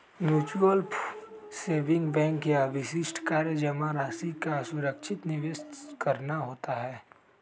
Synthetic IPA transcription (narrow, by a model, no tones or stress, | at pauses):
mjuːt͡ʃʋəlpʰseːʋɪ̃ŋkbɛ̃ːŋkjaəbʱɪʃɪʃʈʰkaːɾjəd͡ʒɐmãɾaːsikasʊɾəkʃʰɪt̪nɪʋeːskɐɾnaɦoːt̪aɦɛː